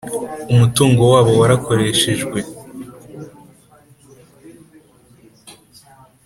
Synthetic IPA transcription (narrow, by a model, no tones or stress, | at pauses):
umutuːŋɡo̞waːβo̞waɾako̞ɾe̞ːʃe̞ʒɡwe̞